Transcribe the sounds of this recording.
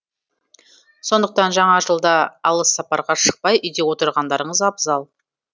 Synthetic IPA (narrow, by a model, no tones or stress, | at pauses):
so̞nd̪əq̚t̪ɑnʒɑɴɑʒəlˠd̪ɑːlˠəsːɑpɑɾʁɑʃə̥q̚pɑjʏjd̪e̞wo̞t̪əɾʁɑnd̪ɑɾəɴəzɑbzɑlˠ